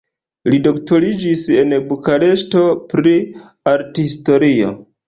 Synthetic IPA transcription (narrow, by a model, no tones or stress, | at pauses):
lido̞ktoɾid͡ʒise̞nbukaɾe̞sto̞pɾi | aɾthisto̞ɾio̞̰